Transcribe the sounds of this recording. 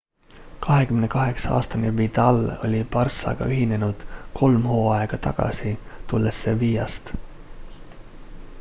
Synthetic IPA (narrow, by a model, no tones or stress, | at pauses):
kɑɦekymenekɑɦe̞ksɑɑ̰ːst̪ɑneʋːit̪ɑlːo̞̰lʲipɑrsːɑ̰jkɑ̰ʔyɦinːenut̪kʰo̞lmhoːɑjkɑt̪ɑ̰kɑ̰sit̪ulːesːeʋijɑst̪